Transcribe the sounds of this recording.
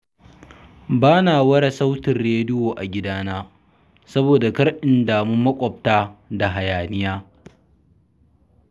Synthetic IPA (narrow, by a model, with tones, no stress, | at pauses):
baː˦naː˨wɐ˦ɽa˨sa˦wtɪ˨nɾeː˦dɪ˦joː˨ʔa˨ɡʲɪ˦daː˦naː˦ | sɐ˦boː˨da˨kɐ˦ɽʔɪ˨ndaː˨mʊ˦mːɐ˦kʷʼɔ˨p̚taː˦da˨ɦa˨jaː˨nɪ˦jaː˦